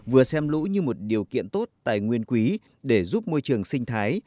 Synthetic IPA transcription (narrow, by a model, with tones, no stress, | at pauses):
vɨ˨˩əsɛ˧mlṵ˧˥ɲɨ˧mo˨˩t̚ɗi˨˩əwkḭ˧˨ənt̪o˦˥t̚t̪a̰ː˧˨jŋwi˧ənkwi˨˦ | ɗe˧˩zu˦˥p̚mo˧jt͡ɕɨ˨˩əŋsï˧ŋ̟t̪ʰaː˨˦j